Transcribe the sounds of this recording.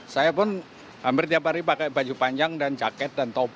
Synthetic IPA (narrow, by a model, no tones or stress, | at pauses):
sajapʊn | hampɪrt̪iapaɾipakɛjbad͡ʒupaɲd͡ʒaŋdand͡ʒakɛt̪̚dant̪ɔb